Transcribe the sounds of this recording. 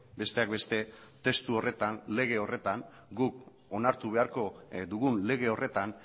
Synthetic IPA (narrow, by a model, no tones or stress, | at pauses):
be̞st̪e̞ak̚be̞st̪e̞t̪e̞st̪uo̞re̞t̪anle̞ɣ̞e̞o̞re̞t̪an | ɡuk | o̞naɾt̪uβ̞e̞aɾko̞d̪uɣunle̞ɣ̞e̞o̞re̞t̪an